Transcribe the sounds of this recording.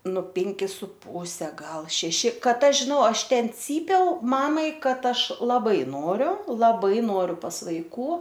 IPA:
nʊ ˈpʲɪŋʲkʲɪ sʊ ˈpuːsʲɛ ˈɡɐlˠ ʃʲɛˈʃʲɪ ˈkɐt ˈɐʃ ʒʲɪˈnɐʊ ˈɐʃ ˈtʲɛn ˈt͡sʲiːpʲɛʊ ˈmɑːmɐɪ ˈkɐt ˈɐʃ lˠɐˈbɐɪ ˈnoːrʲʊ lˠɐˈbɐɪ ˈnoːrʲʊ pɐs ʋɐɪˈkuː

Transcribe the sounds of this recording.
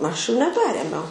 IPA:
ˈɐʃ juː nʲɛˈpʲæːrʲeːmʲɛʊ

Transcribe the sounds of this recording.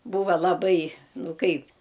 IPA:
ˈbuːʋɐ lˠɐˈbɐɪ ˈnʊ ˈkɐɪp

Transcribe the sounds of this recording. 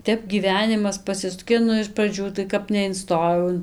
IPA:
ˈtʲɛp ɡʲiːˈʋʲæːnʲɪmɐs pɐˈsʲɪsʊkʲeː ˈnʊ ɪʃ prɐˈd͡ʒʲuː tɐɪ ˈkɐp nʲɛɪnˈstoːjɛʊ ɪn

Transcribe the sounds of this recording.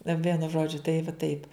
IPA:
nɐ ˈʋʲiɛnʊ ˈʒoːd͡ʒʲʊ tɐɪ ʋɐ ˈtɐɪp

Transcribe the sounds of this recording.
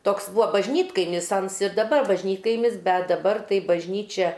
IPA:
ˈtoːks ˈbuːʋoː bɐʒʲˈnʲiːtkɐɪmʲɪs ˈɐns ɪr dɐˈbɐr bɐʒʲˈnʲiːtkɐɪmʲɪs ˈbʲɛt dɐˈbɐr tɐɪ bɐʒʲˈnʲiːt͡ʃʲɛ

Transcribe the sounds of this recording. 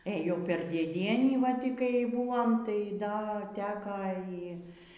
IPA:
ˈeːjoːm ˈpʲɛr dʲeːˈdʲiɛnʲiː ʋɐ ˈtʲiː kɐɪ ˈbuɔm tɐɪ ˈdɐ ˈtʲæːkɐ ˈiː

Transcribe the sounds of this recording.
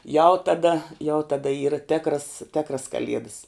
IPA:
jɛʊ tɐˈdɐ jɛʊ tɐˈdɐ ˈiːrɐ ˈtʲeːkrɐs ˈtʲeːkrɐs kɐˈlʲiɛdɐs

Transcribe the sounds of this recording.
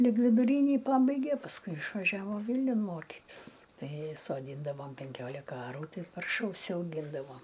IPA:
lʲɪk ʋʲɪdʊˈrʲiːnʲiː ˈpɑːbɐɪɡʲeː pɐsˈkʊɪ ɪʃʋɐˈʒʲæːʋoː ˈʋʲiːlʲnʲʊn ˈmoːkʲɪtʲɪs tɐɪ soːˈdʲiːndɐʋoːm pʲɛŋʲˈkʲoːlʲɪkɐ ˈɑːruː ˈtɐɪ ˈpɐrʃɐ ʊʃʲsʲɛʊˈɡʲiːndɐʋoːm

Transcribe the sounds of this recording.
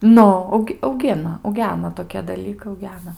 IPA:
ˈnʊ ˈɐʊk ɐʊˈɡʲɪnɐ ɐʊˈɡʲæːnɐ toːˈkʲiɛ dɐˈlʲiːkɐɪ ɐʊˈɡʲæːnɐ

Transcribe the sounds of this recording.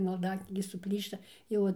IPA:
mɐlˠˈdɑːknʲiːɡʲeː sʊˈpʲlʲiːʃtɐ ˈjɛʊ ɐn

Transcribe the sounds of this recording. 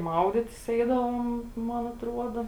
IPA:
ˈmɐʊdʲɪtʲɪs ˈɛɪdɐʋoːm ˈmɐn ɐtˈruɔdɐ

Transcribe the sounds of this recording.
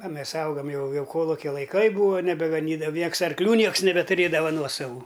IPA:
ɐ ˈmʲɛs ˈɐʊɡɐm ˈjɛʊ ˈjɛʊ ˈkoːlˠʊkʲɛ lˠɐɪˈkɐɪ ˈbuːʋɐ nʲɛbʲɛɡɐˈnʲiːdɐʋɐ ˈnʲiɛks ɐrkˈlʲuː ˈnʲiɛks nʲɛbʲɛtʊˈrʲeːdɐʋɐ ˈnuɔsɐʋuː

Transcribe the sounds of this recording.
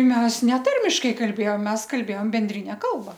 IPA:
ˈmʲɛs nʲɛˈtɐrʲmʲɪʃkɐɪ kɐlʲˈbʲeːjoːm ˈmʲɛs kɐlʲˈbʲeːjoːm bʲɛnʲˈdʲrʲɪnʲɛ ˈkɐlˠbɐ

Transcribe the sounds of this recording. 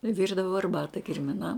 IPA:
ˈʋʲɪrdɐʋoː ɐrˈbɑːtɐ kʲɪrʲmʲɪˈnɐm

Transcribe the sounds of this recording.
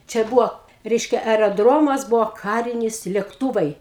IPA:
t͡ʃʲɛ ˈbʊʋoː ˈrʲɛɪʃʲkʲɛ ɛrʲɛˈdroːmɐs ˈbʊʋoː ˈkɑːrʲɪnʲɪs lʲɛkˈtuːʋɐɪ

